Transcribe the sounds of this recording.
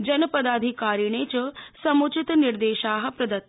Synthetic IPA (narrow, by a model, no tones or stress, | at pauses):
d͡ʑɐnəpɐd̪aːd̪ʱikaːɾiɳ̃et͡ɕɐsɐmut͡ʃit̪niɾd̪eːʃaːɦɐ̆pɾɐd̪ɐt̪ː